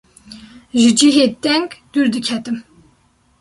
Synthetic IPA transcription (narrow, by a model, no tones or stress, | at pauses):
ʒɨd͡ʒiɦeːd̪ɛŋɡd̪̥uɾd̪ɨkʰɛt̪ɨm